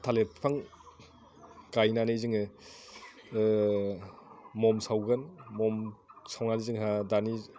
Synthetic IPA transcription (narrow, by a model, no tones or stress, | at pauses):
tʰaleppʰaŋ | kajnanizɯŋɯ | mɔmsawɡɯnmɔmsawnanizɯŋɦadani